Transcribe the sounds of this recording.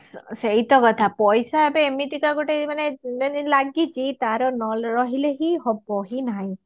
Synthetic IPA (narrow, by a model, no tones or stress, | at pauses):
seɦit̪ɔkɔt̪ʰapɔjsaebeːmit̪ikaɡoʈemanenlaɡit͡ʃʰit̪aɾɔnɔlɾɔɦileɦiɦɔbɔɦinaɦĩ